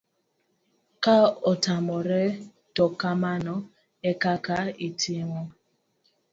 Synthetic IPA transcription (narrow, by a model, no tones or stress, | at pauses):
kaɔtamɔɾe | tɔkamanɔ | ekakaitʰiŋʷɔ